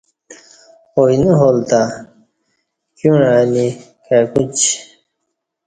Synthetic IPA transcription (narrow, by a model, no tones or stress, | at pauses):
ojnuɦolt̪a | kjunaːni | kakut͡ɕ